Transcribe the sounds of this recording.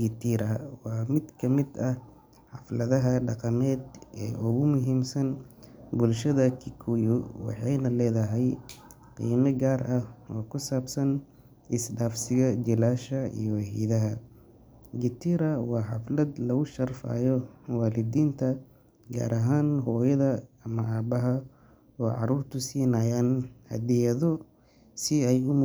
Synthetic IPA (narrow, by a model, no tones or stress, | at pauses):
ɡɪt̪ʰiɾɐwɑːmɪd̪kʰɐmɪd̪ɐh | ħɑflɐðɐɦɐɖɑqɑmɛːd̪ʔɛ̰ːʔɔɣʊmʊɦiːmsɐn | bʊlʃɐðɐkʰɪkʰʊjʊwɑ̰ħɑjnɐlɛːðɐɦɛj | qḭːmɐɡaːɾʔɐhɔːkʰʊsaːbsɐn | ɪsɖaːfsɪɣɐd͡ʒɪlaːʃɐḭjɔwɐħḭːðɐɦɐ | ɡɪt̪ʰiɾɐwɑːħɑflɐd̪lɐɣʊʃɐrfa̰ːjɔwaːlɪd̪iːnt̪ʰɐ | ɡa̰ːɾʔɐɦaːnɦɔːjɐðɐɐmɐʔaːbɐɦɐ | ɔːʕɑ̰ɾuːrt̪ʰʊsiːnɐjaːnhɐ̰d̪ɪjɐðɔ | sɪɛjʊm